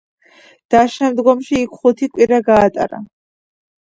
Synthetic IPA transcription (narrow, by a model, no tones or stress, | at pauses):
d̪̥aʃɛmd̪ɡɔmʃiːkʰχut̪ʰikʼwiɾaɡaːt̪ʼa̰ɾa̰